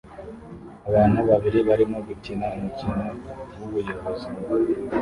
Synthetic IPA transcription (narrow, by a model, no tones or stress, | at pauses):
aβaːnhuβaβiɾiβaɾimoɡutinamucinoɡuβujo̞βo̞zi